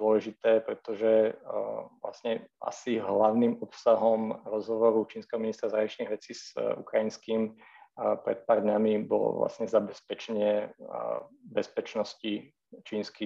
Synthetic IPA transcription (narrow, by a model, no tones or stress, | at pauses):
d̪ɔlɛʒit̪ɛːpɾɛt̪ɔʒɛ | ʋla̰sɲɛʔa̰siɦlaʊnimɔpsaɦɔmɾɔzɦɔʋɔɾut͡ʃiːnskɛɦɔminist̪ɾazaɾaɲit͡ʃniɣʋɛt͡siːz̥ṵkɾajinskim | pɾɛ̰t̪̚paːrd̪ɲamibɔ̰lɔ̰ʋla̰sɲɛzabɛspɛt͡ʃɛɲɪɛ | bɛspɛt͡ʃnɔsci | t͡ʃiːnski